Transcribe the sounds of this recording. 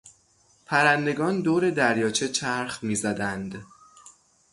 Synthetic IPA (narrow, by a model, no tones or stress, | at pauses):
pʰæɾænd̪e̞ɡɒːnd̪oːɾe̞d̪æɾjɒːt͡ʃʰe̞t͡ʃʰæɾχmiːzæd̪ænd̪